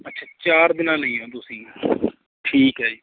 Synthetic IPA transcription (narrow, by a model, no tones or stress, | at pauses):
ətːʃʰaːt͡ʃaːɾd̪ɪnãːnəĩːɦõːt̪̬ʊsĩː | ʈʰiːkɦɛːd͡ʒiː